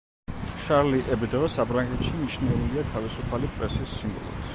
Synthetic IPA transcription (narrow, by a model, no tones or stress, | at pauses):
ʃaɾliʔɛbɛd̪ɔsapʰɾaŋɡɛt̪ʃiniʃnɛuliat̪ʰavisupʰalipʼɾɛsisːimbɔ̰lˠṵɾ